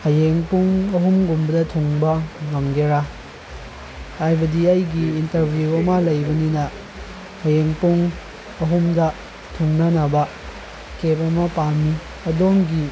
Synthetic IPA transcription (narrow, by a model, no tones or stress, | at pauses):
hɐjeŋpuŋɐɦumɡumbɐdɐtʰuŋbɐŋɐmɡeɾa | hajbɐdiɐjɡiːntɐɾbʱjuɐmɐlɐjbɐninɐ | hɐjeŋpuŋ | ɐɦumdɐ | tʰuŋnɐnɐbɐ | kepɐmɐpanːi | ɐdoŋɡi